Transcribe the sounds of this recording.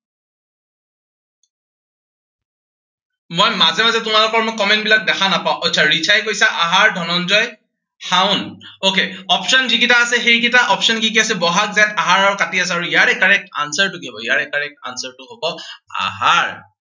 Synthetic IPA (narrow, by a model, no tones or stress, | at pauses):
mojmazɛmazɛtʊmalʊkɔɹmokɔmɛntbilak̚dɛkʰanapaʊ̃ɔtːt͡ʃʰaɹit͡ʃʰajkojsaʔaɦaɹdʱɔnɔnzɔj | xaʊ̃nokeɔpsɔnziɡitaːsɛxejkitaʔɔpsɔnkikiasɛbɔɦak̚zaataɦaɹaɹʊkatiasɛaɹuijaɹɛkaɹɛk̚ta̰nsəɹtʊkibɔijaɹɛkaɹɛk̚ta̰nsəɹtʊɦobɔa̰ɦaɹ